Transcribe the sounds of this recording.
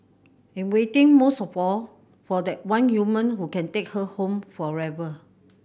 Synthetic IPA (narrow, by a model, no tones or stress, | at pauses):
ɛ̃nwetɪ̃ŋmosɔfɔl | fɔdɛt̚wãnjumə̃nɦukɛ̃ntek̚həhõmfɔɹɛvə